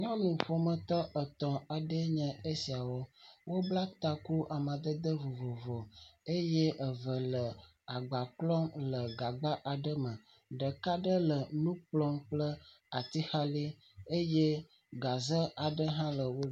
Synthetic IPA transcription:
ɲɔ̃˦nũ˨fo˨mə̃˨t̪ɔ˦ə˨t̪ɔ̃˨a˨ɖə˦ɲə̃˨e˦si˨a˨wɔ˦wo˦bla˦t̪a˦ku˦ʔa˨mã˨d̪ə˦d̪ə˦vo˨vɔ˨vɔ˨e˦jɛ˦ʔə˨və˨lə˨ | a˨ɡ͡ba˨k͡plɔ˦mlə˨ɡa˨ɡ͡ba˦ʔa˨ɖə˦mə̃˨ | ɖə˨ka˦ɖə˦lə˨nũ˦k͡plɔ˦mk͡plə˦ | a˨t̪i˦xa˦li˦ | e˦je˦ | ɡa˨zə˦a˨ɖə˦ɦã˦lə˨wo˦

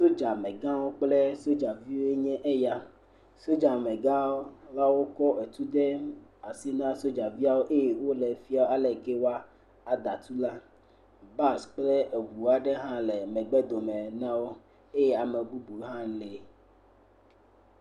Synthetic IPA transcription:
so˦d͡ʒa˨mẽ˨ɡã˦wo˦k͡ple˦so˦d͡ʒa˨vi˦wo˦e˦ɲɛ̃˦ʔe˦ja˦ | so˦d͡ʒa˨mẽ˨ɡã˦wo˦la˦wo˦kɔ˦ʔe˨t̪u˦d̪e˦a˨si˦nã˦so˦d͡ʒa˨vi˦a˦wo˦ʔe˦je˨wo˦le˨fi˦a˦wo˦a˦lɛ˨ke˦wa˦ | a˨d̪a˨t̪u˦la˦ | ba˦˨sk͡plɛ˦e˨vu˨wa˦ɖe˦ɦã˦le˨mɛ̃˨ɡ͡bɛ˦d̪o˨mẽ˨nã˦wo˦ | e˦je˦a˨me˨bu˦bu˨˦ɦã˦le˨

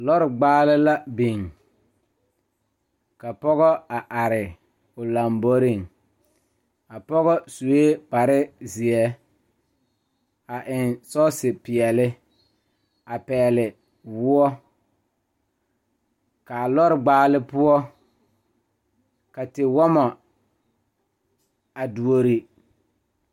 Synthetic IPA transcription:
lɔ˦ɾɪ˨ɡ͡baː˦lɪ˦la˦bi˨ŋ | ka˨pɔ˦ɣɔ˦a˨ʔa˨ɾɪ˨ | ʊ˨la˨mbo˦ɾɪ˦˨ŋ | a˨pɔ˦ɣɔ˦su˨e˦pa˨ɾɪ˦zɪ˨ɛ˦ | a˨ʔɪ˨nsɔ˦sɪ˨pɪ˨ɛ˨lɪ˦ | a˨pɛː˨lɪ˨ | wʊ˦ɔ˦ | ka˨lɔ˦ɾɪ˨ɡ͡baː˦lɪ˦pʊ˦ɔ˦ | ka˨tɪ˨wɔ˦ma˨ | a˨du˨o˨ɾi˨

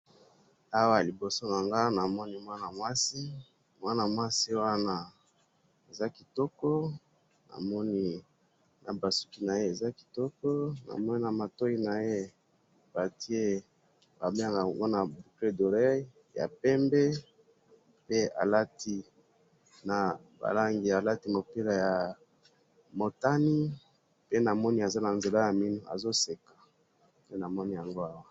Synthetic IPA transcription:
a˦wa˦˨li˨bo˨so˦na˨ŋɡa˦na˨mɔ˦ni˦mwa˦na˨mwa˦si˦ | mwa˦na˨mwa˦si˦wa˦na˦ | e˨za˦ki˨tɔ˦kɔ˦ | na̰˨mɔ˦ni˦ | na˨ba˨su̥˦ki˦na˨je˦e˨za˦ki̥˨tɔ˦kɔ˦na̰˨mɔ˦ni˦na˨ma˨to˦i˦na˨je˦ | b̥a˨ti˦e˦ | ba˨me˦a˨ŋɡa˨ŋɡo˦na˨bu˨kle˦do˨ʁɛ˦ | ja̰˨pɛ˦mbɛ˦ | pe˦a̰˨la˦ti˦ | na˨ba̰˨la˦ŋɡi˨a˨la˦ti˦mo˨pe˦la˨ja˨ | mo˨ta˦ni˦ | pe˦na˨mɔ˦ni˦a˨za˦na˨nze˨la˦ja˨mi˦nu˨a̰˨zo˦se˨kḁ˨ | pe˦na˨mɔ˦ni˦ja˨ŋɡo˦a˦wa˦

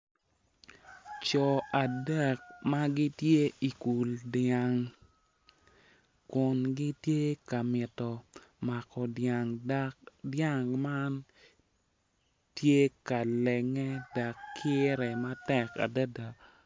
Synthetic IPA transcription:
t͡ʃɔ˨a˨dɛ˦˨k̚ma˦ɡi˦tje˦i˨ku˨lda˨ŋ | kʊ˨nɡi˦tje˦ka˨mɪ˨tɔ˨ma˨kɔ˨daŋ | dja˦ŋma˦n | tje˦ka˨lɛ˨ŋɛ˦da˨kʰːɪ˦ɾɛ˨ma˦tɛ˨ka̰˨da˦da˨

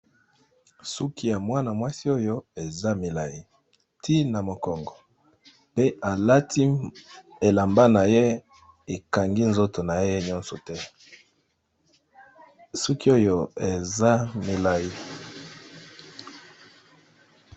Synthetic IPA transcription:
su˦kʰi˦ja˨mwa˦na˨mwa˦si˦o˦jo˦e˨za˦mi˨la˨ji˦ | tʰi˦na˨mo˨kɔ˨ŋɡɔ˨ | pe˦a˨la˦tʰi˦ | e˨la˨mba˦na˨je˦ | e˨ka˨ŋɡi˦nzo˦to˨na˨e˦e˦ɲɔ˦nsɔ˨tɛ˦ | su˦ki˦o˦jo˦e˨za˦mi˨la˨ji˦

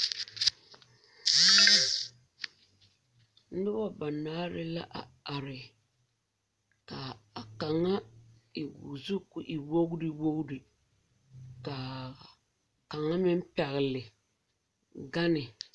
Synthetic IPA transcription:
dɨ˦bɔ˦ba˨naː˦ɾɪ˦la̰˦ʔa̰˨a˨ɾɪ˨ | ka˨a˨ka˨ŋa˦i˨ɡṵ˨zu˦kʊ˨ʔi˨wo˦ɣdɨ˦wo˦ɣdi˨ | ka˨ | ka˨ŋa˦mɪ˦m˦pɛ˨ɣɪ˨lɪ˨ | ɡa˦nɪ˨

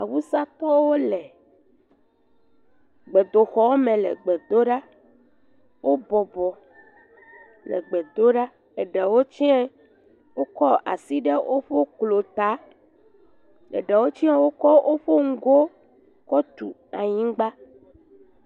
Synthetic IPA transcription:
a˨wu˦sa˦t̪ɔ˦wo˦lɛ˨ | ɡ͡be˨d̪o˨xɔ˦mẽ˨lɛ̰˨ɡ͡bɛ˨d̪o˦ɖa˦ | wʔo˦bɔ˨bɔ˨ | lɛ̰˨ɡ͡bɛ˨d̪o˦ɖa˦ | ɛ˨ɖɛ˨wo˦t͡ɕi˦ɛ˦ | wo˦kɔ˦a̰˨si˦ɖe˦wʔo˦ɸo˦klo˨t̪a˨˦ | lɛ̰˨ɖɛ˨wo˦t͡ɕi˦a˦wo˦kɔ˦ʔo˦ɸo˦ŋ̩˦ɡo˦ | kɔ˦t̪ṵ˨a̰˨ɲĩ˦ɡ͡ba˦

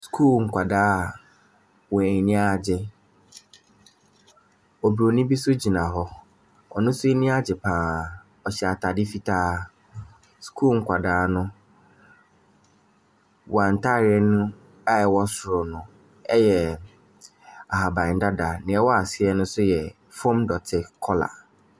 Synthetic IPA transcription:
skʰuː˦˨lŋ̩˨kʷʰa˨daː˦˨ | wɔ˨nĩ˦a˨d͡ʑɪ˦ | ɔ˨bɾo˨nĩ˦bi˦sʊ˦d͡ʑi˨nã˨ɦɔ˦ | ɔ̰˨nʊ̃˦sʊ˦i˦nĩ˦a˦d͡ʑɪ˨pʰãː˨ | ɔ˨ɕɛ˨a˨tʰa˨dɪ˦fi˦tʰaː˦ | skʰuː˦lŋ̩˦kʷʰa˨daː˨˦nʊ̃˦ | wɔ˨ã˨n̩˨tʰa˦˨ɾɪ˨ɛ˦nũ˦ | a˦ɛ˨wɔ˦sʊ˨ɾʊ˨nʊ̃˨ | ɛ˦jɛ˨ | a˨ha˨bã˨n̩˨˦da˦da˨nɪ̃˨ɛ˦wɔ˦a˨sɪ˦ɛ˦nʊ̃˦sʊ˦jɛ˨ | fɔ̃˦mdɔ˨tʰɪ˨kʰɔ˦la̰˨

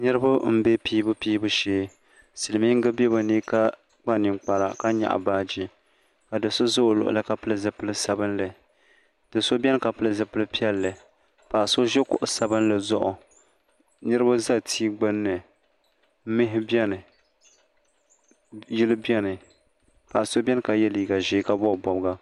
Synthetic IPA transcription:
nɨ˦ɾɨ˦ba˦m̩˦be˦piː˦bɨ˦piː˦bɨ˦ʃeː˦ | sɨ˨lɨ˨mi˦ŋ̩˦ɡɨ˦bɛ˦ba˨niː˦ka˦ | k͡pa˦˨nɪ˨ŋk͡pa˨ɾa̰˨ka˦ɲa̰˨ʔa̰˨baː˦d͡ʒi˦ | ka˨dɨ˨so˦zo˦˨lʊ̰˨ʔʊ̰˨la˦ka˨pɨ˦lɨ˦zɨ˨pɨ˦lɨ˦sa˨bɨ˦nlɨ˨ | d̥ɨ˨so˦bʲɛ˦nɨ˦ka˨pɨ˦lɨ˦zɨ˨pɨ˦lɨ˦pi˦ɛ˦lːɨ˨ | pa˨ʔso˦ʒɛ˦kʊ̰˨ʔʊ˨sa˨bɨ˦nlɨ˨zʊ̰˦ʔʊ˨ | nɨ˦ɾɨ˦ba˦za˦tʰiː˦ɡ͡bɨ˦nːɨ˨˦ | mɪ˦ɦɪ˦bɛ˦nɨ˨ | jɪ˦lɨ˦bɛ˦nɨ˨ | pa˨ʔa˨so˦bʲɛ˦nɨ˦ka˨jɛ˦liː˨ɡa˨ʒiː˦ka˦bɔ˦˨bɔ˨bɡa˦

